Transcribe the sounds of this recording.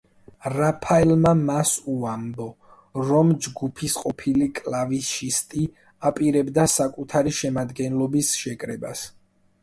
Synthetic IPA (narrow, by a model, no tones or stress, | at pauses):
ɾapʰaɛlmamasuambɔ | ɾɔmd͡ʒɡupʰisqʼɔpʰilikʼlaviʃist̪ʼi | apʼiɾɛbd̪asakʼut̪ʰaɾiʃɛmad̪ɡɛnlˠɔbisʃɛkʼɾɛbas